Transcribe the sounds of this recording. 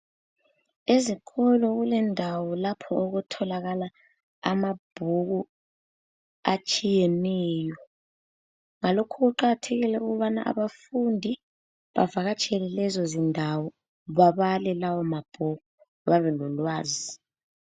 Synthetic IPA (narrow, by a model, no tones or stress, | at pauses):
ezikʰɔlɔɣulɛndʱawɔlapʰɔoɣutʰɔlaɣala̰ː | mab̥ʱuɣu | at͡ʃʼijɛnɛːjɔ | ŋalokʰuɣuǃaɣatʰeɣilɛuɣuβana̰ʔa̰βafundʱi | βa̰vaɣat͡ʃʼɛlɛlɛzɔzindʱawɔ | βaβalɛlawɔmab̥ʱuɣu | βaβɛnɔlwaːzi